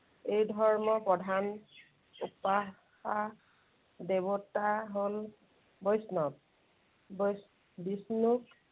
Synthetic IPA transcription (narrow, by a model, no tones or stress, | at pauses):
ejdʱɔɹmɔpɹɔdʱan | upa | ha | debɔtaɦol | bɔjsnɔp̚ | bɔjs | bisnuk